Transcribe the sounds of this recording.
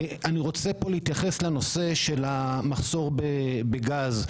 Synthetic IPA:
aniʁo̞t͡se̞po̞leit̪jaχe̞sleno̞se̞ʃe̞lamaχso̞ʁbebeɡaz

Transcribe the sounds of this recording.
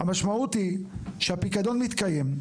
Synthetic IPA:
amaʃmaut̪iʃehapikad̪o̞nmit̪kajem

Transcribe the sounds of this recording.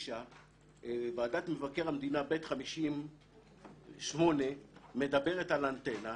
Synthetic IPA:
ʃa | vaːd̪at̪me̞vakeʁamd̪inabet̪χamiʃim | ʃmo̞ne̞me̞d̪abe̞ʁe̞t̪alant̪e̞na

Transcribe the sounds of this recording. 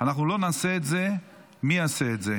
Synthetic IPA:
anaχnulo̞naseːt̪ze̞ | miaseːt̪ze

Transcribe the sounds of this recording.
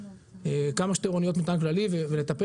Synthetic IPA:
ekamaʃt̪eʁonijo̞t̪mit̪anklalivevele̞t̪ape

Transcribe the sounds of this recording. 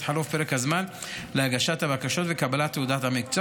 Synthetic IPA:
ħalufpeɾekhazman | lehaɡaʃat̪habakaʃot̪vekabalat̪ːeud̪at̪hamikt͡so

